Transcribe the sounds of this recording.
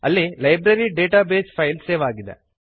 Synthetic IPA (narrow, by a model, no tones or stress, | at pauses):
ɐlːilɐjbɾɐɾiɖeːʈaːbeːd͡ʒpʰɐjlseːʋaːɡid̪ḛ